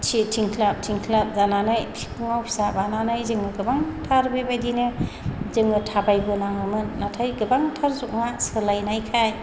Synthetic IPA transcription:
t͡ʃʰitʰiŋkʰlap̚tʰiŋkʰlap̚zananɯjtʰi̥kʰɯŋawpʰi̥sabananɯjzɯŋɯɡɯbaŋtʰaɾbɯjbajdinɯ | zɯŋɯtʰabajbɯnaŋɯmɯnːatʰajɡɯbaŋtʰaɾzuʔ̚ŋasɯlajnajkʰaj

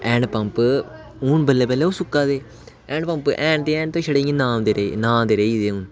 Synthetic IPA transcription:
ɛ̃ːɳɖpɐmp | uːnbəlːeːpɛːleːoːsʊkːaːd̪eː | ɛːɳɖpɐ̃mpʔɛ̃ːɳɖʈ̪eɛ̃ːɳɖt̪õːʃɐɽeːŋenãːmd̪eɾeːnãːmd̪eɾeːd̪eːũːn

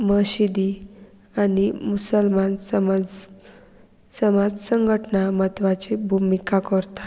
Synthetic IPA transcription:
məɕid̪i | animusəlmansəmd͡z | səmad͡zsəŋɡʱəʈnamət̪ʋat͡ɕebʱumikakəɾt̪ḁ

